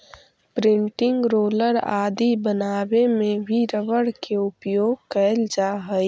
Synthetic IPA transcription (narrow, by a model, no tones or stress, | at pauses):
pɾɪ̃ɳʈɪ̃ŋɡɾoːləɾa̰ːd̪ibənaːbemẽbʱiɾəʋəɽkeʊpjoːɡ̚kəld͡ʒaːɦəj